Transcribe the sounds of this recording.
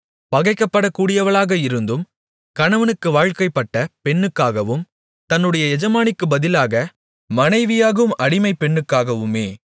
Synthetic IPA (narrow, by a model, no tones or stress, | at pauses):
pɐɣɐɪkːɐpːɐɽɐkːuːɽɪjɐʋɐɭaːɣɐɪɾɯnd̪ɯm | kɐɳɐʋɐnɯkːɯʋaːɻkɐɪpːɐʈːɐpɛɳːɯkːaːɣɐʋɯm | t̪ɐnːɯɽɐjɐɛd͡ʒɐmaːnɪkːɯbɐðɪlaːɣɐ | mɐnɐɪʋɪjaːɣɐʋɯmɐɽɪmɐɪpːɛɳːɯkːaːɣɐʋɯmeː